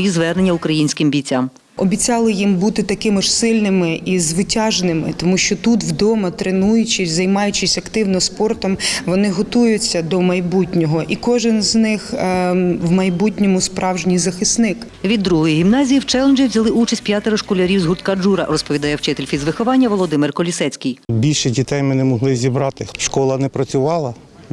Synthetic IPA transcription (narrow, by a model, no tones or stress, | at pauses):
jizʋɛrnenʲːɐʊkɾɐjinʲsʲkɪmbʲijt͡sʲːam | ɔbʲit͡sʲɑlˠɪjimbut̪ɪt̪ɐkɪmɐʃsɪlʲnɪmɪʔizʋɪtʲɑʒnɪmɪ̰t̪ɔmuʃt͡ʃɔt̪ut̪wd̪ɔmɐt̪ɾenujʊt͡ʃɪsʲzɐjmɑjʊt͡ʃɪsʲɐkt̪ɪwnɔspɔrt̪ɔmʋɔnɪɦɔt̪ujʊt͡sʲːɐd̪ɔmɐjbutʲnʲɔɦɔʔikɔʒɪnznɪx | wmɐjbutʲnʲɔmʊspɾɑwʒnʲijzɐxɪsnɪk | ʋʲid̪ːɾuɦɔjiɦʲimnɑzʲijiwt͡ʃɛlˠnd͡ʒiwzʲɐlˠɪʔut͡ʃɐsʲt̪ʲpʲjat̪eɾɔʃkɔlʲɐɾʲiwzɦʊrt̪kad͡ʒuɾɐ̰rɔspɔʋʲid̪ɑjɛwt͡ʃɪt̪elʲfʲizʋɪxɔʋɑnʲːɐʋɔlˠɔd̪ɪmɪrkɔlʲisɛt͡sʲkijbʲilʲʃɛdʲit̪ɛjmɪnɛmɔɦlˠɪzʲibɾɑt̪ɪʃkɔlˠɐnɛpɾɐt͡sʲʊʋɑlˠɐ